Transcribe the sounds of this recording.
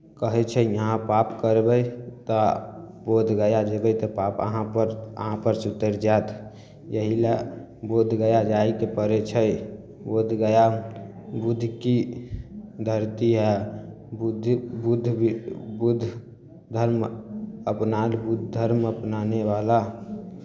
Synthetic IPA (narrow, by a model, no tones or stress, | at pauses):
kəɦɛt͡ʃʰəjəɦãpapkəɾbəjt̪ɔ | bod̪ʱɡəjad͡ʒəbəjt̪ɔpapə̰ɦãpəɾə̰ɦãpəɾt͡ʃut̪ːəɾd͡ʒat̪ | jəɦila | bod̪ʱɡəjad͡ʒaikepəɾɛt͡ʃʰə | bod̪ʱɡəja | bud̪ʱki | d̪ʱəɾt̪iɦɛ | bud̪ʱbud̪ʱbud̪ʱ | d̪ʱəɾməpnalbud̪ʱd̪ʱəɾməpnaneʋala